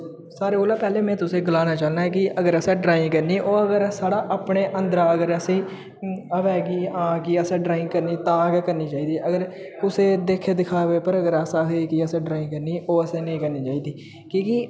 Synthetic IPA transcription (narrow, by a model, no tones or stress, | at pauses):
saːɾeːoːlaːpɛːleːmɛ̃ːt̪ʊsẽːɡəlaːnaːt͡ʃaːlnaːɛːkɪʔəɡəɾəsãːɖɾaːɪ̃ŋɡkəɾniːʔoːəɡəɾsaːɽaːʔaːpɳeːʔənd̪ɾaːəɡəɾəsẽ | əʋɛːɡiːãːkiəsãːɖɾaːɪ̃ŋɡkəɾniːt̪ãːəɡɛkəɾniːt͡ʃaːiːd̪iːəɡəɾʊseːd̪eːkʰːeːd̪ɪkʰaːʋeːpəɾəɡəɾəsaːɦoiːkiəsẽːɖɾaːɪ̃ŋkəɾniːʔoːəsẽːnəĩːkəɾniːt͡ʃaːiːd̪iː | kĩːki